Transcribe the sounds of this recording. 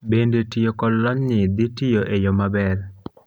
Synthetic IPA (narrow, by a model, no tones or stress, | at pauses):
bendetijokɔdlɔɲnɪd̪ɪtijoʔejɔmabɛr